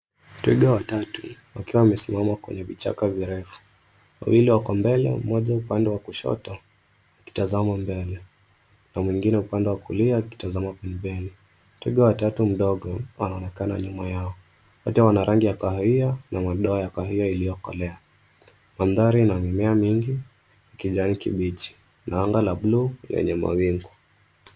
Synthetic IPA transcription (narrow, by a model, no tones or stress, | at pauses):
twiɡawatatuwakiwawmɛsimamakwɛ̰ɲɛvit͡ʃa̰kaviɾɛfu̥ | wa̰wiliwakɔmbɛlɛ̰mɔʄaupandɛwakuʃɔ̰tɔ | uki̥tazamambɛlɛ | namwiŋɡinɛupandɛwakuliauki̥tazamapɛmbɛni | twḭɠawatatum̩ɗɔɠɔwanaɔnɛkana̰ɲumajaɔ | wɔtɛwanaɾʔaŋɡijakahɔianamaɗɔajakahiailijɔkɔ̰lɛa | manðaɾiːnaŋimɛamiŋɡi | ikiʄanikḭɓit͡ʃi̥ | naaŋɡalablulɛ̰ɲɛma̰wiŋɡu